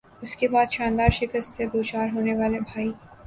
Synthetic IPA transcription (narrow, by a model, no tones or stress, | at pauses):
ʊskebaːd̪ʃãːnd̪aːɾʃɪkəst̪seɡoːt͡ʃaːɾɦoːneʋaːlebʱaːi